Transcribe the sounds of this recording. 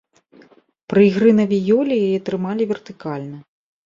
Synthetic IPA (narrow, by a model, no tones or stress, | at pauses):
pɾɨiɣɾɨnɐvʲijɔlʲijajɛt̪ɾɨmalʲivʲɛrt̪ɨkalʲnɐ